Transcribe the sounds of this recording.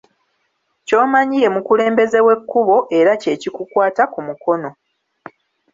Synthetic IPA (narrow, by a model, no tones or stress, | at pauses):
co̞ːmaɲije̞mukule̞ːmbe̞ze̞we̞kːuβo̞ʔe̞ɾace̞cikukwaːtakumuko̞no̞